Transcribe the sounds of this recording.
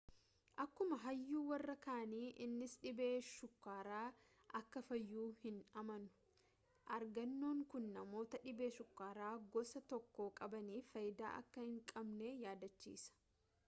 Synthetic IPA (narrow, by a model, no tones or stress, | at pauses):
ʔɐkːʊmɐɦɐjːuːwɐrːɐkaːniːʔɪnːɪsᶑɪbeːʃʊkːaːɾaː | ʔɐkːɐfɐjːuːhɪnɐmɐnʊ̥ | ʔɐɾɡɐnːoːŋkʊnːɐmo̞ːt̪ɐᶑɪbeːʃʊkːaːɾaːɡɔsɐt̪ɔkːo̞ːkʼɐbɐniːfɐjd̪a̰ːʔɐ̰kːɐhɪŋkʼɐbneːjaːd̪ɐt͡ʃːḭːsɐ̥